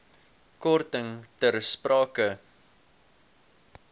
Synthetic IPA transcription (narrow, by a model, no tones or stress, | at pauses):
kɔrtəŋtərsprɑːkə